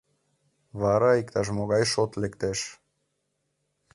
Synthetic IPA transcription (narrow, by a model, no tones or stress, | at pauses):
βaɾaikt̪aʒmoɣɑjʃot̪lekt̪eʃ